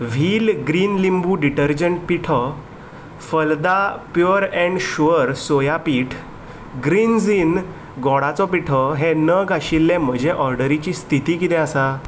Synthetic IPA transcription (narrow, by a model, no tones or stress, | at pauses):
ʋ̤ʱiːlɡɾiːnlimbuɖiʈəɾd͡ʑəɳʈ̚piʈʰɔ | fəld̪apjoɾɛ̃ɳɖɕuəɾsojapiːʈʰ | ɡɾind͡zin | ɡɔɽat͡sɔpiʈʰɔɦenəɡaɕilːẽm̤əd͡ʑʱeʔɔɾɖəɾit͡ɕist̪ʰit̪ikit̪ɛ̃əsa